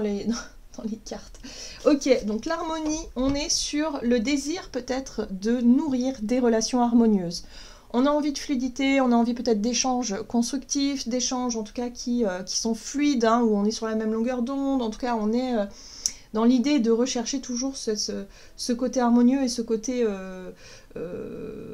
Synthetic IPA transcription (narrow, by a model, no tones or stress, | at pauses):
led̪̃ | d̪̥ɑ̃lekaʁt̪ɔkʲed̪ɔ̃klaʁmɔniɔ̃nɛsyʁləd̪eziʁpøt̪ɛt̪χd̪ənuʁiʁd̪eʁəlasjɔ̃aʁmɔnjøːz | ɔ̃naɑ̃vid̪əflɥid̪it̪eɔ̃naɑ̃vipøt̪ɛt̪̚χd̪eʃɑ̃ʒkɔ̃st̪χykt̪ifd̪eʃɑ̃ʒɑ̃t̪u̥kakʲʰiøkʲi̥sɔ̃flɥid̪ɛ̃uɔ̃nɛsyʁlamɛmlɔ̃ɡʲœʁd̪̃ɔ̃d̪ɑ̃t̪u̥kaɔ̃nɛø | d̪ɑ̃lid̪ed̪əʁəʃɛʁʃet̪uʒuʁsɛt̪ø | səkot̪eaʁmɔnjøesəkot̪eø | ø̰